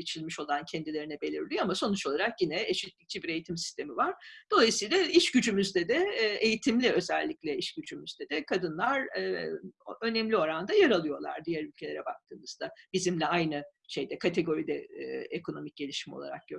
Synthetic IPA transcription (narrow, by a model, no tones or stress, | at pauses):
et͡ʃʰilʲmiʃo̞lˠancʰɛnd̪ilʲe̞ɾinɛbe̞lʲiɾlʲijøamaso̞nut͡ʃo̞lˠaɾakjinɛeʃit̪lʲic̚t͡ʃʰɛbiɾe̞jit̪ʰimsi̥st̪e̞mivaɾ̥d̪̥o̞lˠajɯsɯjlˠaiʃɟ̥yd͡ʒymyzd̪ɛd̪ɛːejit̪ʰimlʲiø̞zɛlʲːiclʲɛiʃɟyd͡ʒymyzd̪ɛd̪ɛkʰad̪ɯnlˠaɾ | ø̞nɛmlʲio̞ɾand̪ajaɾalˠɯjo̞lˠa̰ɾd̪ijæɾylʲcʰelʲe̞ɾɛbak̚t̪ʰɯːmɯzd̪ab̥izimlʲɛajnɯ | ʃe̞jd̪ɛkʰat̪ʰe̞ɡo̞ɾid̪ɛekʰo̞no̞mic̚ɟe̞lʲiʃimo̞̰lˠa̰ɾa̰k̚ɟ̥ø